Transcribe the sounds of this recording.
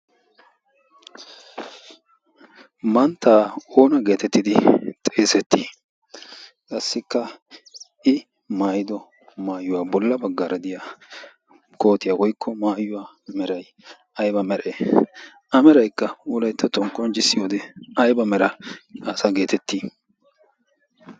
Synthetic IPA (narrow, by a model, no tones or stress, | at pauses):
mɐnt̪ːaːoːnɐɡe̞ːt̪ɛt̪ːɪd̪ɪt̪ʼe̞ːsɛt̪ʰːiː | kʼɐsːɪkːɐ | ʔɪ | maːjɪd̪ɔ | maːjʊwaːbɔlːɐbɐɡːaɾɐd̪ɪjaː | ko̞ːt̪ɪjawɔjkʰːɔmaːjːʊwaː | mɛɾɐj | ɐjbɐmɛɾʔeː | ʔɐmɛɾɐjkːɐʊlɐjt̪ːɐt̪ɔŋkʼːɔnt͡ʃɪsːɪjoːd̪ɛɐjbɐmɛɾɐasaɡe̞ːt̪ɛt̪ːiː